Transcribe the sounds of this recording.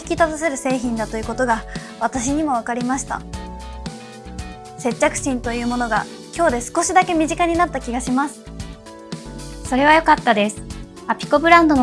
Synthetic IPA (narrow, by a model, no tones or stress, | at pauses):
i̥kʲit̪azas̬e̞ɾɯ̟se̞ːçĩnd̪at̪o̞jɯ̟ko̞t̪o̞ɡa | β̞at̪aɕiɲ̟imo̞β̞akaɾʲimaɕi̥t̪a̰ | se̞t͡ɕːakɯ̟̥ɕĩnt̪o̞jɯ̟ːmo̞no̞ɡa̰ | kʲo̞ːd̪e̞sɨ̥ko̞ɕid̪ake̞mʲiʑikaɲ̟inat̪ːakʲiɡaɕimasɨ̥ | so̞ɾe̞β̞ajo̞kat̪ːad̪e̞sɨ̥ | apʲi̥kobɯ̟ɾãnd̪o̞n